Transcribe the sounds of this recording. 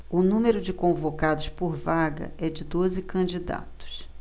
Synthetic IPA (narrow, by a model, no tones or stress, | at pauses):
ʊnũmeɾʊd͡ʒɪkõvokad̪ʊspoɾvaɡɐ̰ʔɛd͡ʒɪd̪ozɪkɐ̃d͡ʒid̪a̰t̪ʊ̥s